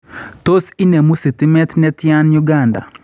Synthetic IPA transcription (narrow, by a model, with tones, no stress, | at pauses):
t̪o˦si˦ne˨mu˦si˨t̪i˦mɛ˦t̪nɛ˦t̪ja˦nju˦ɡa˨nda̰˨